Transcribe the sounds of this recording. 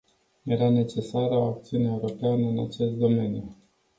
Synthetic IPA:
je̞ɾane̞t͡ʃe̞saɾəoak̚t̪siuneeuɾo̞peanəɨnat͡ʃe̞st̪̚d̪o̞me̞nju

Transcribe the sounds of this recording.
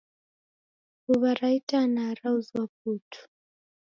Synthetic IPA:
uβaɾaitanaɾauzwap̚utʰu̥

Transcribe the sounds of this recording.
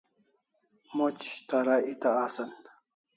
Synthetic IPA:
mot͡ʃt̪aɾaʔit̪aːsan

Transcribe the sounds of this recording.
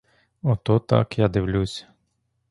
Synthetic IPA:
ɔt̪ɔt̪ɑ̰kjad̪ɪwlʲusʲɐ̥

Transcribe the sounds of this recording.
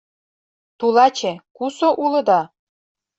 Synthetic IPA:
t̪ulɑt͡ɕĕkusoʔulɤ̆d̪ɑ

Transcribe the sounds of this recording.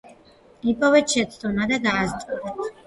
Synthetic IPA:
ipʼɔvɛt͡ʃʰɛt̪sʰt̪ʰʼɔnad̪aɡaːzt̪ʼid̪at̪ʰ

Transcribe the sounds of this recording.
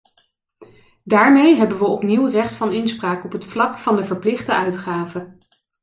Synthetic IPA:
daːɹmejɦɛbənʋəɔpniwrɛχtfɑnɪnspraːkɔpɦətflɑkfɑndəvəɹplɪχdəœɥtχaːvə

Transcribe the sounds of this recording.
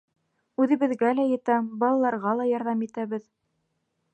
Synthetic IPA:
ʉðɘ̆βɘ̆ðɡælæjɤ̆t̪æbɑlˠɑlˠɑɾʁɑlˠɑjɑɾðɑmit̪æβɘð

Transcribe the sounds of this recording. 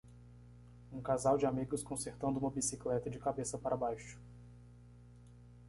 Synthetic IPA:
ũkazawd͡ʒɪamiɡʊskõseɾt̪ɐ̃nd̪ʊũmɐbisiklɛt̪ɐd͡ʒɪkabesɐpaɾʔɐbajʃʊ̥

